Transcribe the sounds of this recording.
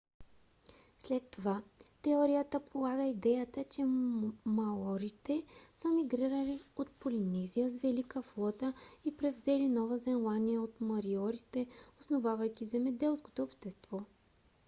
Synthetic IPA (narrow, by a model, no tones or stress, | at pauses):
slɛt̪ːovat̪ɛɔɾijət̪əpʰolˠaɡəid̪ɛjət̪ət͡ʃɛmɐɔɾit̪ɛsəmiɡɾiɾəliot̪polinɛzijəzvɛlikəflˠɔt̪əipɾɛvzɛlinɔvəzɛnlˠanijəot̪mɐɾiɔɾit̪ɛosnovavɐjk̟izɛmɛd̪ɛlˠsko̥t̪oːpʃt̪ɛst̪vɔ